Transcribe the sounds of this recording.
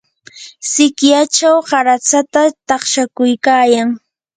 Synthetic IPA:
sɪkjat͡ʃawɢaɾat͡sat̪at̪ɑχʃakʊjkaːjaŋ

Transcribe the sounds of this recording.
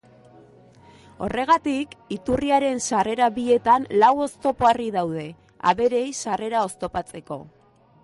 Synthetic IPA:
o̞̰re̞ɣ̞at̪ikit̪uriaɾe̞nsare̞ɾaβie̞t̪anlawo̞st̪o̞poariðawð̞e̞ | a̰βe̞ɾe̞jsare̞ɾao̞st̪o̞pat͡se̞ko̞̰

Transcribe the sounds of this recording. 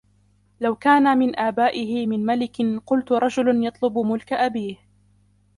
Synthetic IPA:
lawkaːnamɪnʔaːbaːʔɪɦɪmɪnmalɪkɪnqʊlt̪ʊɾˤɑd͡ʒʊlanjɑt̪ˤlʊbmʊlkaʔabiːh

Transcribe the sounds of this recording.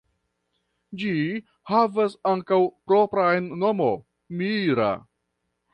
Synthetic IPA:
d͡ʒi | havasaŋkawpɾo̞pɾaenːo̞mo̞ | miɾa̰

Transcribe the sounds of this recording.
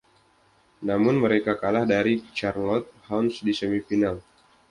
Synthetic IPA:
namʊnməɾekakalahdaɾit͡ʃarlɔt̪̚hawnsdisəmifinal

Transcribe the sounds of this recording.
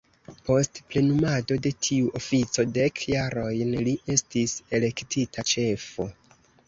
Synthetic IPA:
po̞stple̞numado̞de̞tʰiuʔofit͡so̞de̞kʰjaɾo̞jnliʔe̞stise̞le̞ktʰitʰat͡ʃe̞fo̞

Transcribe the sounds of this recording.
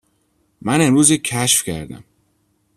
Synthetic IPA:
mæne̞mɾuːzecʰæʃfcʰæɾd̪æ̰m

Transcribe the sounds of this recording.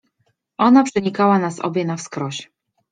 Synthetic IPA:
ʔɔnapʂɘɲikawanasɔ̰bʲjɛnafskɾɔɕ

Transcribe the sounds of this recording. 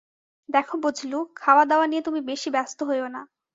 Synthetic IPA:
d̪ɛkʰobud͡ʑʱlukʰaoad̪ɛoaniet̪umibeʃibɛst̪oɦojona̰

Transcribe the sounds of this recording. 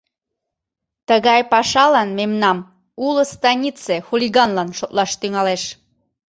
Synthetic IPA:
t̪əɣɑjpɑʃɑlɑnmemnɑm | uləst̪ɑnʲit͡sexulʲiɣɑnlɑnʃot̪lɑʃt̪yŋɑleʃ

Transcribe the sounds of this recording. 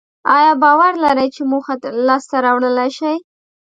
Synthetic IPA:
ɑjɑbɑwaɾlaɾəjt͡ʃemuxalɑst̪aɾɑwɽəlaʃaj

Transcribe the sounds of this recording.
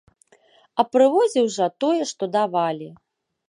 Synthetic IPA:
ɐpɾɨvɔzʲiwʐɐt̪ɔjɛʂt̪ɔd̪avalʲi

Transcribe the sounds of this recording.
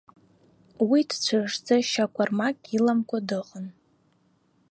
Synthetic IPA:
widt͡ɕʷʰaʐd͡zaʃakʷʰʼarmakʼilamkʷʰʼadɨqʼən

